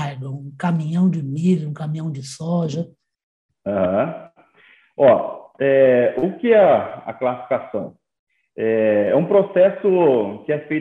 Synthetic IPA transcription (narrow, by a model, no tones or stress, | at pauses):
d̪ʊũkamĩɲɐ̃w̃d͡ʒɪmilʊũkamĩɲɐ̃w̃d͡ʒɪsɔʒɐ | ãhɐ̃ | ɔɛʊkɪɛɐ̰klasi̥fikasɐ̃w̃ | ɛɛũpɾosɛsʊkɪɛfej